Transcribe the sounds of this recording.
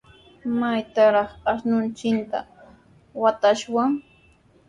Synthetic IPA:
majt̪aɾɑχaʃnʊnt͡ʃɪnt̪a̰ | wat̪aʃwaŋ

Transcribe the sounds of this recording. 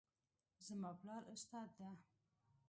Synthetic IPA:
zəmɑplɑɾʊst̪ɑd̪d̪a

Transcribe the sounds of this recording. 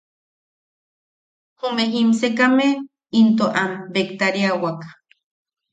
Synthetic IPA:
homeɦimsekame | int̪oʔambekt̪aɾiawakḁ

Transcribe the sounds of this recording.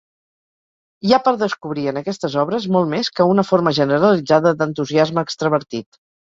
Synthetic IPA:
japəɾðəskuβɾiənəkɛst̪əzɔβɾəzmɔlˠtmeskəunəfoɾməʒənəɾəlid͡zaðəd̪ənt̪uziazməːkst̪ɾəβ̞əɾt̪it̪

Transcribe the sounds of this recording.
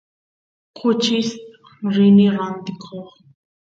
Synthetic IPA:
qʰʊt͡ʃɪs | ɾɪnɪɾant̪ɪkʰoχ

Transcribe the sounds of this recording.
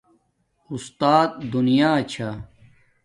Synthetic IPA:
ust̪aːt̪̚d̪unijaːt͡ɕʰa

